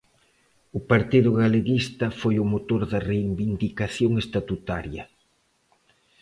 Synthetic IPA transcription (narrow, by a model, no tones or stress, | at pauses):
ʊpaɾt̪iðʊɣaleɣist̪ɐfojʊmot̪oɾðɐreibind̪ikaθjoŋest̪at̪ut̪aɾjɐ